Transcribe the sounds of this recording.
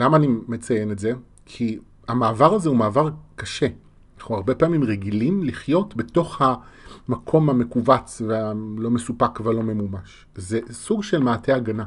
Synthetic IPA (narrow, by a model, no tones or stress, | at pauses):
lamaːnime̞t͡sajenetze̞ | kʰi | amaːvaʁazeumaːvaʁkaʃe̞ | naχnuaʁbe̞paːmimʁeɡilimliχjo̞tbeto̞χhamakʰo̞mhame̞kuvat͡svealo̞me̞supakvealo̞me̞mumaʃ | ze̞suɡʃe̞lmaːtʰe̞aɡana